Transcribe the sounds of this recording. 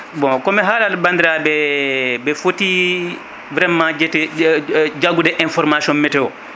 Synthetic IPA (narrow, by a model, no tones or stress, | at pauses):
bɔ̃kɔmɛɦaːlalbandiɾabɛbɛfoti | vɾɛmãd͡ʒɛtɛ | d͡ʒaɡudɛʔɛnfɔɾmasiɔnmɛtɛwɔ